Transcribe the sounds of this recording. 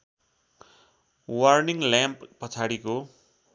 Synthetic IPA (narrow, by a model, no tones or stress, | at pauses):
wʌrniŋljãmpːʌt͡sʰaɽiko